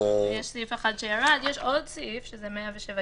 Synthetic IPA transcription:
jeʃsifeχad̪ʃejaʁad̪jeʃʔo̞d̪sifʃezemeaveʃeva

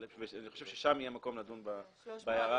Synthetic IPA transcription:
veaniχo̞ʃev̥ʃeʃamijemako̞mnadunba | bajaʁa

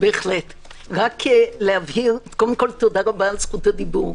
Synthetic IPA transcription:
beːχlet | ʁakelehavhiʁkold̪emko̞lt̪o̞daʁabaːlsχut̪ad̪ibuʁ

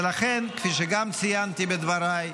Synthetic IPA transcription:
laχɛnkfiːʃeɡamt͡sijant̪ibed̪vaɾaj

